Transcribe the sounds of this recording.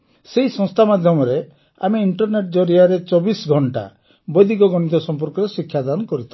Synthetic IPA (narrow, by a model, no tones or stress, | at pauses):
seɦisɔ̃ŋst̪ʰamad̪ʱjɔmɔɾe | a̰meiɳʈɔɾneʈ̚d͡ʒɔɾiaɾet͡ʃɔbisɡʱɔɳʈa̰ | bɔjd̪ʱikɔɡɔɽ̃it̪̬ɔsɔmp̬ɔɾkɔɾesikʰːjad̪ankɔɾit̪ʰɔ